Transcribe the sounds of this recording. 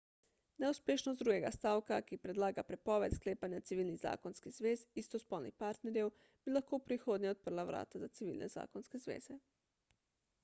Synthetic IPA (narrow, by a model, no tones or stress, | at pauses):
nɛuspʲjeːʃnosd̪ɾuːɡeɡast̪aːwkakipɾed̪laːɡapɾɛpɔʋɛt̪skleːpanjat̪siʋiːlniɣza̰ːkonskiz̥ʋeːzist̪ospolnixpaɾt̪neɾjɛw | b̥ilaxkoupɾixod̪ɲɛot̪̚pər̩laʋɾʔa̰ːt̪azat̪siʋḭːlnɛ̰za̰ːkonskezʋḛːz̥ɛ